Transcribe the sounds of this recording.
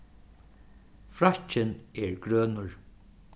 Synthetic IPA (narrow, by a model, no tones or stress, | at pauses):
fɾat͡ʃɪnɛɹɡɾøːnʊɹ